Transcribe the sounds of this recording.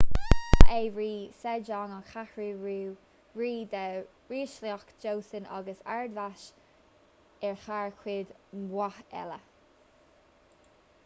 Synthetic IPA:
ejɹiːsɛd͡ʒɔːŋɔnxʰaxɹuːɹuː | ɹiːd̪ə | ɹiːʃliɔkd͡ʒowθənɑ̰ɡəsa̰ɹd̪vaʃ | ɛɹxaɹkʰwɪd̪mwahɛ̰lə

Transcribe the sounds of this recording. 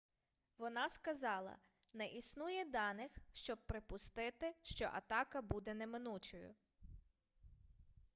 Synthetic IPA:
ʋɔnɑskɐzɑlˠɐ̰ | nɛʔisnujɛd̪ɑnɪxʃt͡ʃɔb̚pɾɪpʊst̪ɪt̪ɪʃt͡ʃɔ̰ʔɐ̰t̪ɑkɐbud̪ɛnɛmɪnut͡ʃɔjʊ̰

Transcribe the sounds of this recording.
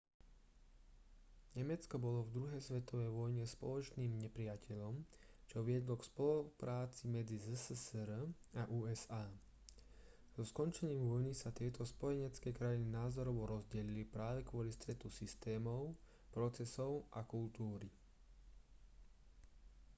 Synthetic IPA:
ɲɛmɛt͡skɔbɔlɔvd̪ɾuɦɛjsʋɛt̪ɔʋɛjʋɔjɲɛspɔ̰lɔt͡ʃniːmɲɛpɾɪacʰɛʎɔmt͡ʃɔʋɪɛd̪lɔkspɔlupɾʔaːt͡simɛd͡zizəssɾ | aʔuːɛzaː | z̥ɔskɔnt͡ʃɛɲiːmʋɔjnisat̪ɪɛt̪ʰɔspɔjɛɲɛt͡skɛkɾaininaːzɔɾɔʋɔɾɔzɟɛlilipɾaːʋɛkʊɔlist̪ɾɛt̪usist̪ɛːmɔʊ | pɾɔt͡sɛsɔʊʔakult̪uːɾi

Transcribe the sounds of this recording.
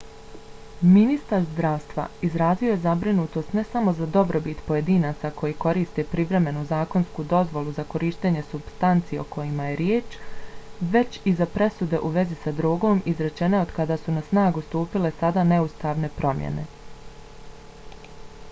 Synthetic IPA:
minist̪aɾzd̪ɾaːʋst̪ʋa̰izɾaːzio̞je̞zabɾinuːt̪o̞st̪ne̞samo̞zad̪o̞bɾo̞bit̪po̞je̞d̪iːnaːt̪sakʰo̞jiko̞ɾiːst̪e̞pɾiʋɾe̞me̞nuzaːko̞nskud̪o̞zʋo̞lˠuzako̞ɾiːʃt̪eɲe̞subst̪ant̪sijeo̞̰kʰo̞jimaje̞ɾjeːt͡ʃ | ʋe̞t͡ɕizapɾe̞sud̪e̞ʔuʋe̞zisad̪ɾoːɡo̞ːmizɾe̞t͡ʃe̞neod̪kad̪aːsunasnaːɡust̪uːpile̞sad̪ane̞ust̪aːʋne̞pɾʔo̞mjḛne̞̰

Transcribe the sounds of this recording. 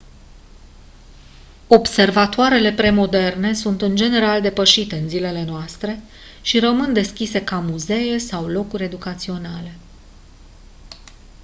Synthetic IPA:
o̞bse̞rvat̪oaɾe̞le̞pɾe̞mo̞d̪e̞rne̞sunt̪ɨnd͡ʒe̞ne̞ɾald̪e̞pəʃit̪e̞ɨnzile̞le̞noast̪ɾe̞ | ʃiɾəmɨnd̪e̞skʲise̞kamuze̞je̞sawlo̞kuɾʲe̞d̪ukat̪sio̞nale̞

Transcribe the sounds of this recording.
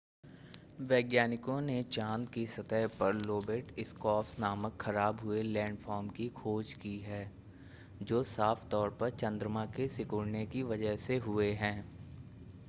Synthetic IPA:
ʋɛːɡjaːnɪkõnet͡ʃãːnd̪kisɐt̪əɦpɐɾloːbeːʈɪskɔːpsnaːməkxɐɾaːbɦʊelɛ̃ːɳɖfʰɔːɾmkikʰoːd͡ʒkiɦɛː | d͡ʒoːsaːft̪ɔːɾpɐɾt͡ʃɐ̃nd̪ɾəmãkesɪkʊɽnekiʋɐd͡ʒəɦseɦʊeɦɛ̃ː

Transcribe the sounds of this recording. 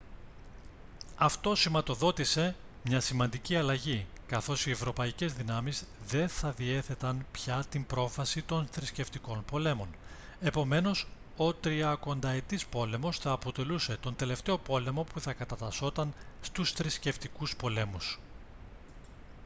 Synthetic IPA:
ɐft̪o̞simɐt̪o̞ðo̞t̪ise̞ | mɲɐsimɐnd̪iciɐlɐʝikɐθo̞sie̞vɾo̞pɐice̞zðinɐmizðe̞nθɐðie̞θe̞t̪ɐnpçɐt̪imbɾo̞fɐsit̪o̞nθɾisce̞ft̪iko̞npo̞le̞mo̞n | e̞po̞me̞no̞s | o̞t̪ɾiɐko̞nd̪ɐe̞t̪ispo̞le̞mo̞sθɐːpo̞t̪e̞luse̞t̪o̞nd̪e̞le̞ft̪e̞o̞po̞le̞mo̞puθɐkɐt̪ɐt̪ɐso̞t̪ɐnst̪usθɾisce̞ft̪ikuspo̞le̞mus

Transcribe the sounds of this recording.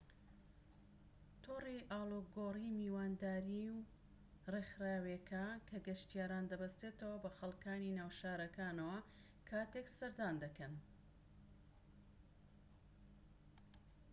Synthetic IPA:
t̪ʰoriʔaːloɡorimiːwaːnd̪aːɾiw | rexɾaːwekʰakʰɐɡɐʃt̪ijaːɾaːnd̪ɐbɐst̪et̪ɐwɐbɐxɐlˠkaːninaːwʃaːɾɐkaːnɐwɐ | kʰaːt̪eksɐɾd̪aːnd̪ɐkɐn

